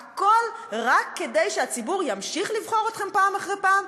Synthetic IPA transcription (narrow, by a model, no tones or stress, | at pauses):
ako̞lʁakːedejʃeat͡sibuʁjamʃiχlivχo̞ʁot̪χempaːmaχʁejpaːm